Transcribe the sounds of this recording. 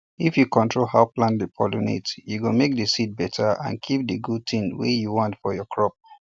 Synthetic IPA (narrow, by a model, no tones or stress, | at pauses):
ifjukɔ̃ntɹolhaʊplãndəpʰɔlonḛtjuɡomek̚dəsid̚bɛtʰaã̰nkʰip̚dəɡud̚tʰĩnwḛjuwɔ̃ntfɔjɔkʰɹɔp̚